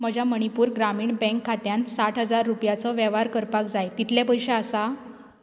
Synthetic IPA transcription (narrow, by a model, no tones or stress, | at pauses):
məd͡ʑʱaməɳ̃ipuːɾɡɾamiːɳbɛ̃ŋkʰːat̪jansaʈ̪ɦəd͡zaɾːupjat͡sɔʋɛʋ̤aɾkəɾpakd͡zajt̪it̪ljapəjɕeasa